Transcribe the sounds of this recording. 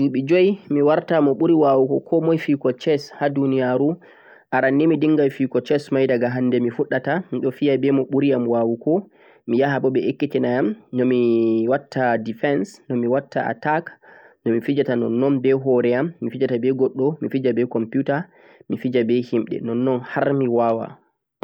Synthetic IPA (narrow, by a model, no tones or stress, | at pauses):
iɓid͡ʒojmiwaɾtamɔɓuɾiwawukɔkʰɔmɔjfikɔt͡ʃɛshadunijaɾu | ʔaɾanːimidiŋɡajfikɔt͡ʃɛsmajdaɡaɦandɛmifuɗatamiɗɔfijabɛmɔɓuɾijamwawukɔ | mijaɦaɓɔɓɛʔekːitɛnajamnɔmiwatːadifɛnsnɔmiwatːa̰a̰taknɔmifid͡ʒatanɔ̰nːɔnbɛɦɔɾɛamːifid͡ʒatabɛɡɔɗːɔmifid͡ʒabɛkɔmpjuta | mifid͡ʒabɛhimɗɛ̰nɔnːɔnhaɾmiwawa̰